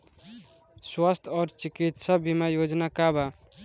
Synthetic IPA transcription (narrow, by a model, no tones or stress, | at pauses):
swast̪ʰɔːɾt͡ʃikit̪səbimajod͡ʒnakaba